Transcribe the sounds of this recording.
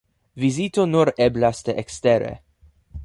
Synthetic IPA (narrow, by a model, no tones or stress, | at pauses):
vizit̪onuɾeblasd̪eʔekst̪eɾḛ